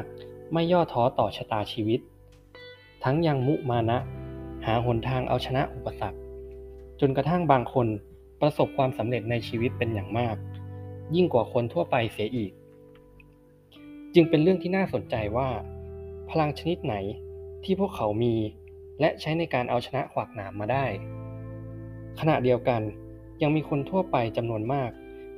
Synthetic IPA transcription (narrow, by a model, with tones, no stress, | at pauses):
k̚ma˥˩jːɔː˥˩t̪ʰːɔː˦˥t̪ɔː˨˩t͡ɕʰa˧t̪aː˧t͡ɕʰiː˧wi˦˥t̪̚ | a˦˥ŋja˧ŋmu˦˥maː˧na˦˥ʔhaː˩˦ɦo˩˦nt̪ʰaː˧ŋʔa̰˧wt͡ɕʰa˧na˦˥ʔu˨˩pːa˧sa˨˩k̚ | t͡ɕo˧nka˧t̪ʰa˥˩ŋbaː˧ŋkʰo˧n | pɾa˧so˨˩p̚kʰwaː˧msa˩˦mɾe˨˩t̪̚na˧jt͡ɕʰiː˧wi˦˥t̪̚pe˧njaː˨˩ŋmaː˥˩k̚ji˥˩ŋkwaː˨˩kʰo˧nt̪ʰu˥˩ɐpa˧jsi˩˦ɐʔiː˨˩k̚ | t͡ɕɯ˧ŋpe˧nɾɯ˥˩əŋt̪ʰiː˥˩naː˥˩so˨˩˦nt͡ɕa˧jwaː˥˩pʰa˧la˧ŋt͡ɕʰa˧ni˦˥t̪̚na˩˦jt̪ʰiː˥˩pʰu˥˩kʰːa˩˦wmiː˧ | lɛ˦˥ʔt͡ɕʰa˦˥jna˧jkaː˧nʔa˧wt͡ɕʰa˧na˦˥ʔkʰwaː˨˩k̚naː˩˦mːaː˧daː˥˩j | kʰa˧na̰˨˩di˧əwka˧n | ja˧ŋmiː˧kʰo˧nt̪ʰu˥˩əpa˧jt͡ɕa˧mnu˧ənmaː˥˩k̚